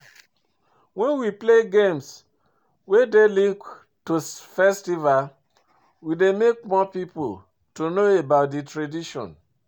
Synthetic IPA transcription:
wɛ̃nwipleɡẽms | wedelĩŋk | tofɛstival | widemek̚mɔpipo | tonoebaʊtdetɹadiʃɔ̰̃n

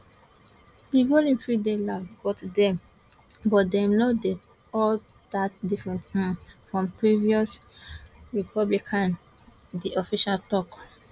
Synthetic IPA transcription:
diɡolĩmpɹidelavɡɔtdɛ | bɔtdɛmnode | ɔl | datdifɹɛ̃ntãfɹɔ̃mpɹiviɔs | ɹipʰɔblikʰãn | diɔfiʃaltɔk

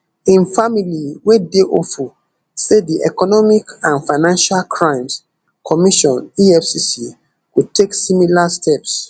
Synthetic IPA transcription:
ĩnfamiliwedeʔofu | sediʔɛ̰kɔnɔmikãnfaɪnãnʃalkʰɹãɪ̃ms | kʰɔmiʃɔ̃niɛfsisi | kud̚tʰeksĩmilastʰɛps

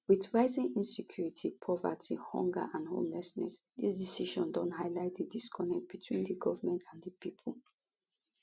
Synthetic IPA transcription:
wiθɹaɪzĩŋĩnsɛkʰjuɹitʰipʰɔva̰tʰihɔ̰̃ŋɡə̰ʔãnho̰lnɛsnɛ̰s | disdisiʃɔ̃ndɔ̃ntɦaɪlaɪt̚didiskʰɔnɛk̚t̚b̥itʰwḭ̃ndəɡɔvəmɛ̃ntʰãnðəpipʰʊl̩

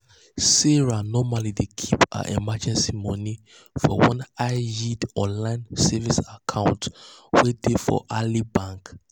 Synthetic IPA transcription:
sɛɹanɔmalidekʰipa̰ʔemad͡ʒɛ̃nsimɔni | fɔwɔ̃naɪjidɔ̃nlãɪ̃nsɛvisakʰãʊ̃ntwedefɔ̰ʔalibãŋk

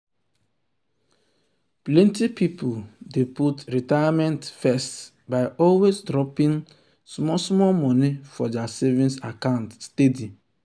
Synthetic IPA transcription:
plɛ̃ntipipuldeputɾitajamɛ̃ntfɛst | baɪʔɔlwesdɾɔpĩn | smɔsmɔlmɔnifɔdɛasɛvĩnsakãʊ̃ntstedi

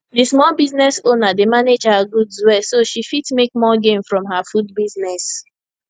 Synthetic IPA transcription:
dismɔlbiznɛsonademaned͡ʒhaɡudzwɛsoʃifitmek̚mɔɡẽmfɹɔ̃mɦafud̚biznɛs

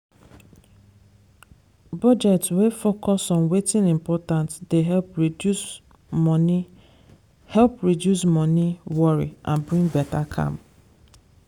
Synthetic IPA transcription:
bɔd͡ʒɛtswefokɔsɔ̃nwetĩnĩmpɔtãntdeɦɛlp | n | hɛlpɹidjusmɔniwɔɹḭʔã̰nbɹĩŋbɛtakʰã̰m

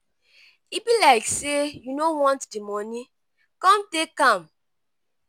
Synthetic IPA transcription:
ibilaɪksejunowɔ̃ntdimɔni | kɔ̃mtekãm

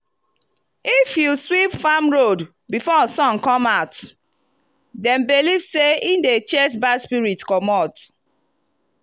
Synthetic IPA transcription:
ifjuswipfamɹod | bifɔsɔ̃nkɔ̃maʊt | dɛ̃mbelivseindet͡ʃɛs̬baspiɹitkɔmɔt

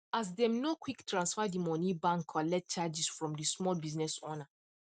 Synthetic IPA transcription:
as̬dɛ̃mnokʰwiktʰɹãnsfadimɔ̃nibãŋkʰɔlɛt̚t͡ʃad͡ʒisfɹɔ̃mdismɔlbiznɛsona

